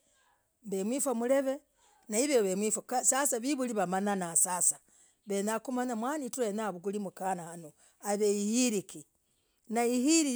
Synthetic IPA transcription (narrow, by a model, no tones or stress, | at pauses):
mbemwifamuleβe | naiβeβemwifakasasaβiβuliβamananasasa | βenakumanamwanituenaβuɡulimukanahano | aβeihiɾiki | naihiɾi